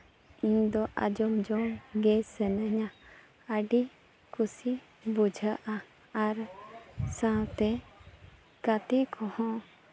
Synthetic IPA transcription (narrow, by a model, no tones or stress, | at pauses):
iɲd̪ɔʔa̰d͡ʒɔmd͡ʒɔnɡɛsɛnəɲa | əɖi | kʰusi | bud͡ʒʱəʔaː | ɾ | sãwt̪ɛ | kat̪ɛkʰɔhɔ̃